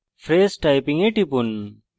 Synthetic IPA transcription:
fɾeːsʈajpiŋeʈipun

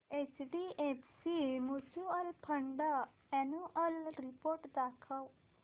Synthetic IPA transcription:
et͡ʃɖiepsimut͡ʃuəlpʰəɳɖa | ɛnuʔəlɾipoɾʈd̪akʰəw

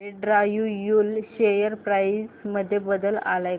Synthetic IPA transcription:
eɖɾajujulɕejəɾpɾajsməd̪ʱːjebəd̪əla̰laj

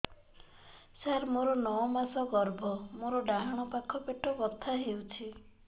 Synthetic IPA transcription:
saɾmoɾɔnɔɔmasɔɡɔɾbʱɔmoɾɔɖaɦaɽ̃ɔpakʰɔpeʈɔɡɔt̪ʰaɦewt͡ʃʰi

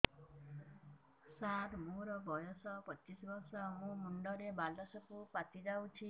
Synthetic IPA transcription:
sat̪mũɾɔbɔjɔsɔpɔt͡ʃisɔbɔɾsɔmũmuɳɖɔɾebalɔsɔkupat̪id͡ʒawt͡ʃʰi

